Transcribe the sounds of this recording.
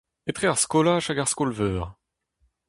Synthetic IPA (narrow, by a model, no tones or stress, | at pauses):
et̪χeaʁskɔlaʃaɡaʁskɔlvœːʁ